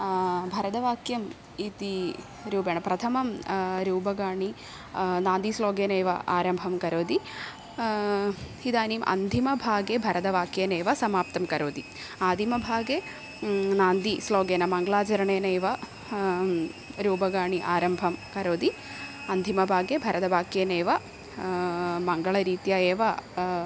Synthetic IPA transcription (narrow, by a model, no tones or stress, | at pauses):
bʱɐɾɐd̪ɐʋaːkjɐm | it̪i | ɾuːbeɳɐpɾɐt̪ʰɐmɐmɾuːbɐɡaːɳi | naːnd̪isloːɡeːnɐːʋɐ̰ʔaːɾɐmbʱɐmkɐɾoːd̪i | id̪aːniːmʔɐ̰nd̪ʱimɐbʱaːɡebʱɐɾɐd̪ɐʋaːkjeːneːʋɐsɐmaːp̚t̪ɐmkɐɾoːd̪i | aːd̪ʱimɐbʱaːɡe | naːnd̪isloːɡeːnɐmɐŋɡɐɭaːt͡ʃɐɾɐɳeːnɐjʋɐ | ɾuːbɐɡaːɳiʔaːɾɐmbʱɐmkɐɾoːd̪i | ɐnd̪ʱimɐbʱaːɡebʱɐɾʔɐd̪ɐʋaːkjɐneːʋɐ | mɐŋɡɐɭɐɾiːt̪jaːeːʋɐ